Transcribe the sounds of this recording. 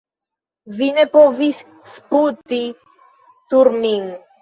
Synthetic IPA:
vinepovis | sput̪i | suɾmiŋ

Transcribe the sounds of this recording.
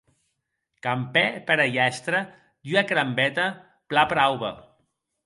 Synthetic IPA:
kampɛpəɾajɛst̪ɾə | d̪yakɾambɛt̪ə | plapɾawβɐ̰

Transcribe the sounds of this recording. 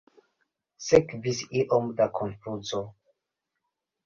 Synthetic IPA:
sekvisiʔomd̪akʰonfuzo

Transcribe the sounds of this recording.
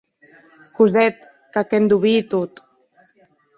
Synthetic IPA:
kuzɛt̪̚ | kakɛnd̪uβit̪ut̪

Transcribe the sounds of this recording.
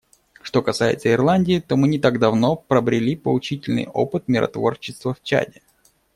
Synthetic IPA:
ʂt̪o̞kɐsajɪ̰t̪səɪrlˠanʲdʲɪːt̪o̞mɨnʲɪt̪aɡd̪ɐvno̞pɾəbɾʲɪlʲipəlˠʊt͡ɕitʲɪlʲnɨ̰jo̞̰pɨt̪̚mʲɪɾʔɐ̰t̪vo̞rt͡ɕːɪst̪vəft͡ɕa̰dʲɪ

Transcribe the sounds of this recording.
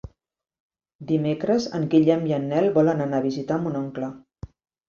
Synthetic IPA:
d̪imekɾəzəŋɡiʎɛmjənːɛlˠβɔlənənaβizit̪amunɔŋklə

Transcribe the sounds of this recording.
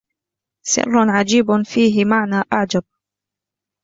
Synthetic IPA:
sɪ̰rːʊʕad͡ʒiːbfiːɦɪmaʕnaːʔaʕd͡ʒab̚

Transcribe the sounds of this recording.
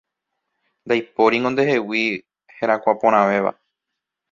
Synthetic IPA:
nd̪ajpo̞ɾiŋɡond̪eɦe̞wi | heɾ̃akʷapõɾ̃ãʋe̞ʋa̰

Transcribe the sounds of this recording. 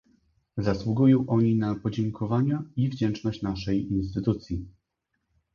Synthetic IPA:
zaswuɡujɔ̃w̃ʔɔɲinapɔd͡ʑɛŋkʰɔvaɲɛivd͡ʑɛnt͡ʂnɔɕt͡ɕnaʂɛjins̬t̪ɘt̪ut̪sʲji

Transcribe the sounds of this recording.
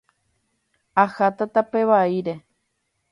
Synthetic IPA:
ahat̪at̪ape̞ʋaiɾe̞

